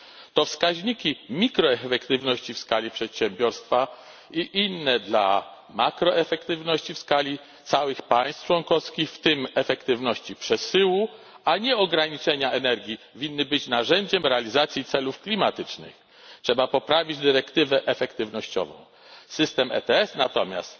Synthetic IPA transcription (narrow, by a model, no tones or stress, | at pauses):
t̪ɔfskaʑɲikʲimʲikɾɔɛfɛkt̪ɘvnɔɕt͡ɕifskalʲipʂɛt̪ɕɛmbʲjɔɾst̪fa | iʔinːɛd̪la̰ | makɾɔɛfɛkt̪ɘvnɔɕt͡ɕifskalʲi | t̪sawɘxpajst̪t͡ʂwɔnkɔfskʲixft̪ɘmɛfɛkt̪ɘvnɔɕt͡ɕipʂɛsɘwu | aɲɛɔɡɾaɲit͡ʂɛɲaʔɛnɛɾɡʲi | vʲinːɘbɘt͡ɕnaʐɛɲd͡ʑɛmɾɛalʲizat̪sʲjit̪sɛlufklʲimat̪ɘt͡ʂnɘ̰x | tʂɛbapɔpɾavʲid͡ʑd̪ɘɾɛkt̪ɘvɛʔɛfɛkt̪ɘvnɔɕt͡ɕɔ̰vɔ̰̃w̃ | sɘst̪ɛmɛ̰t̪ɛɛsnat̪ɔmʲja̰st̪